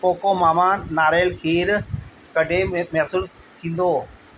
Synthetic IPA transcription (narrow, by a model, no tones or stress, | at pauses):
poːkomaːmaːnːaːɾaəlkʰeːɾ | kɐɖʱẽmɛːsɪl | t̪ʰĩːn̆d̪oː